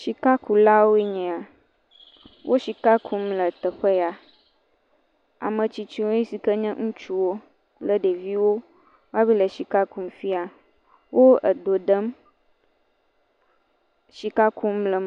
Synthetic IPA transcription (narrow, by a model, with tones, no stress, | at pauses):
ʃi˨ka˦ku˨la˦wo˦e˦ɲɛ̃˨a˨ | wʔo˦ʃi˨ka˦kʰu˦mlə˨t̪ə˨xɛ˦ja˨ | a̰˨mə̃˨t͡ɕi˨t͡ɕi˦wo˦i˦si˨kə˦ɲɛ̃˦ŋũ˦t͡ʃu˦wo˦ | lə˨ɖe˨vi˦wo˦ | wa˦bi˦lə˨ʃi˨ka˦ku˦m˦fi˦a˨ | wʔo˦ə̰˨d̪o˨ɖə˦m | ʃi˨ka˦ku˦mlə˨m˨